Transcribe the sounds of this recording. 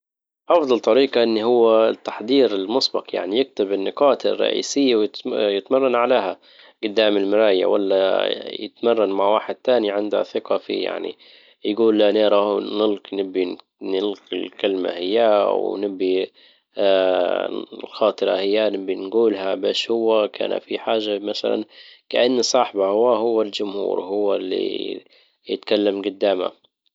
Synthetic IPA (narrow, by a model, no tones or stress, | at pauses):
ʔɑfd̪ˤɑlt̪ˤɑɾiːqɑʔɪnːiɦʊwːat̪ːḁħd̪ˤiːɾɪlmʊsˤbɑqja̰ʕnijɪk̚t̪ɪbɪnːɪqɑːt̪ɪ̰rˤːɑ̰ʔḭːsɪjːawjɪjɪt̪mɑrˤːɑnʕaleːha | ɡʊd̪ːaːmɪlmɪɾaːja̰wa̰lːa̰jɪ̰t̪mɑrˤːɑnmaʕwaːħɪd̪̚t̪aːniʕɪnd̪ha̰θɪqɑfḭja̰ʕnḭ | jɡuːlːaneːɾˤɑnɪlnɪbːi | nɪlqɪ̰lkɪlma̰hɪjːawnɪbːi | lxɑːt̪ˤɨɾɑhɪjːanɪbːinɡuːlɦabaːʃhʊwːakʰa̰ːna̰fiħaːʒːamaθa̰la̰nkaʔanːsˤɑħbahʊwːaɦʊwːald͡ʒʊmhṵːɾhʊwːalːḭ | jɪt̪kalːamɡʊd̪ːaːma̰